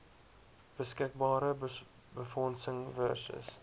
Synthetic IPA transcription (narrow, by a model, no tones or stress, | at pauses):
b̥əskɪk̚bɑːɾə | bəfɔnsəŋvœ̰rsə̰s